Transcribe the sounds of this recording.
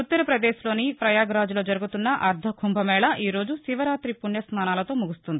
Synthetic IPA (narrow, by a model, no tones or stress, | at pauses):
ut̪ːɐɾɐpɾɐd̪eːslo̞ːnipɾɐjaːɡɾaːd͡ʒulo̞ːd͡ʒɐɾuɡut̪unːɐʔɐɾd̪ʱɐkʰumbʱɐmɛːɭɐʔiːɾo̞ːd͡ʒusiʋɐɾaːt̪ɾipunjɐsnaːnaːlɐt̪o̞ːmuɡust̪und̪ii